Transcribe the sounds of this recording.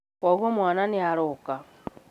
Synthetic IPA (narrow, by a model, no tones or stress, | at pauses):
oɣomwaːnaniaɾoka